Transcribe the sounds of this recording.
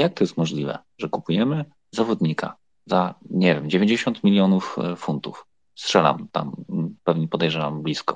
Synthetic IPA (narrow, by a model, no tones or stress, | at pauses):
jak̚t̪ɔjɛst̪mɔʐlʲivɛ̰ | ʐɛkupujɛmɘ | zavɔd̪ɲika̰ | zaɲɛvʲjɛmd͡ʑevʲeɲd͡ʑeɕɔnt̪mʲilʲjɔnuffunt̪ṵf | stʂɛla̰mt̪a̰mpɛvɲɛpɔd̪ɛjʐɛvamblʲiskɔ̰